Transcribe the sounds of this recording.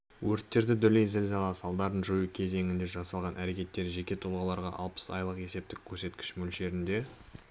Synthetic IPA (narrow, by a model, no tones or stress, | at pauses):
wɵɾt̪ːe̞ɾd̪ɪd̪ʏlejzɪlzɑlˠɑsɑlˠd̪ɑɾənʒojukʲʰe̞ze̞ŋʲɪnd̪e̞ʒɑsɑlˠʁɑnʔæɾe̞kʲe̞t̪ːe̞ɾʒe̞kʲe̞t̪ʰʊlˠʁɑlˠɑɾʁɑ̰ʔɑlˠpə̥sɑ̰jlˠəqe̞se̞p̚t̪ɪkʲʰːɵɾse̞t̪kʲɪ̥ʃmʏlʃe̞ɾɪnd̪e̞